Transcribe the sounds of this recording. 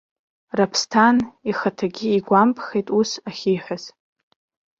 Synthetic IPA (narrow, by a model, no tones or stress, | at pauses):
rapʰstʰaniχatʰaɡʲɪiɡʷampʰχejtʼusaχʲiħʷᶣaz̥